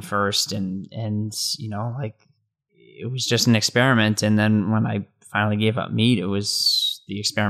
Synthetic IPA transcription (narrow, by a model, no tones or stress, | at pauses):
fɜ˞stɨ̃nɨ̃njɨnoʊlaɪk̚ | ɪ̰t̚wʌzd͡ʒʌstn̩ɨkspɛɹɨmɨ̃ntɨ̃nðɨ̃nwə̃naɪ | fãɪnl̩ˠiɡeɪvʌ̰p̚miɾɨt̚wʌz̥ðiɨkspɛɹɨ